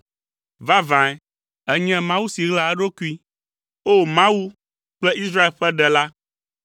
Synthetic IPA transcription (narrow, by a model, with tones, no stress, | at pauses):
va˦vã˨ɛ˨ | ɛ˦ɲɛ̃˦mã˦wu˦si˨ɣla˨ɛ˦ɖo˦ku˦i˦ | o˦mã˦wu˦ | k͡plɛ˦i˦sɾa˦e˨lɸɛ˦ɖɛ˨la˦